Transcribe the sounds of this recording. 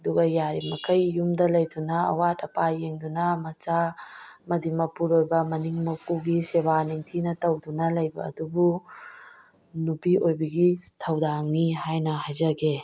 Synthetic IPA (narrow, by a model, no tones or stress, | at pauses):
ɐduɡɐjaɾimɐkʰɐjːumdɐlɐjdunɐɐ̰watɐpajeŋdunɐmɐt͡ʃamɐdimɐpuɾojbɐmɐniŋmɐpuɡisebaniŋtʰinɐtɐwdunɐlɐjbɐ̰ːdubu | nupiʔojbɐɡitʰɐwdaŋniɦajnɐɦajzɐɡe